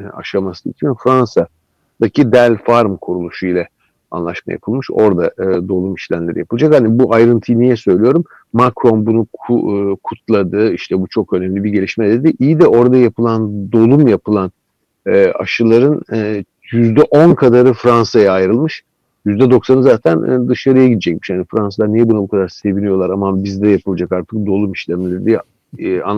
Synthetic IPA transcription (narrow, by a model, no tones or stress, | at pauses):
a̰ʃamasɯḭt̪ʰimfɾansa | d̪̥acʰid̪ælʲfaɾmkʰuɾulˠuʃujlʲɛ | a̰nlˠa̰ʃma̰ja̰pʰɯlˠmɯʃo̞ɾd̪aːd̪o̞lˠumiʃlʲæmlʲe̞ɾḭjapʰɯlˠad͡ʒakhanibuʔajɾɯnt̪ʰɯjnijɛsø̞jlʲijo̞ɾumː | akɾo̞nbunu | kʰut̪ʰlˠad̪ɯiʃt̪ʰɛbut͡ʃʰo̞kø̞næmlʲibiɟe̞lʲiʃmɛd̪e̞d̪iʔijid̪ɛʔo̞ɾad̪ajapʰɯlˠand̪o̞lˠumjapʰɯlˠan | ɛːa̰ʃɯlˠaɾɯnː | jyzd̪ɛʔo̞nkʰad̪aɾɯfɾansajaːjɾɯlˠmɯʃ | jyzd̪ɛd̪o̞ksanɯzaːt̪ʰæn̰d̪ɯʃaɾɯjaɟid̪ɛd͡ʒɛcmiʃhanifɾansalˠaɾnijɛbunabukʰad̪aɾse̞vinijo̞lˠaɾamabizd̪ɛjapʰɯlˠad͡ʒakaɾt̪ʰɯ̥k̚d̪o̞lˠumiʃlʲɛmlʲeɾid̪i | a̰n